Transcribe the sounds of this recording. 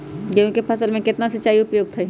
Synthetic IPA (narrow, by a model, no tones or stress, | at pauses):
kõːkepʰɐsəlmẽkɪt̪nasɐtːt͡ʃːaːiʊpjoːɡt̪ʰɐ